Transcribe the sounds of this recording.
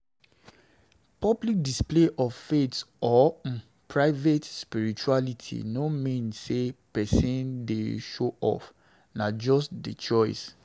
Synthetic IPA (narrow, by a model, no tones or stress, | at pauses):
pɔblik̚displeʔɔffetɔ | pʰɹaɪvetspiɹit͡ʃualitʰḭnomĩnsepɛsĩndeʃoʔɔ̰f | nad͡ʒɔstdet͡ʃɔɪs